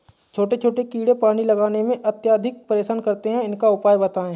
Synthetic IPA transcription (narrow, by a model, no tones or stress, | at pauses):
t͡ʃʰoːʈet͡ʃʰoːʈekiːɽepaːɽ̃ilɐɡaːnemẽʔɐt̪jaːd̪ʱɪk̚pɐɾeːʃaːnkɐɾt̪eɦɛ̃ɪnkaʊpaːjbɐt̪aːẽ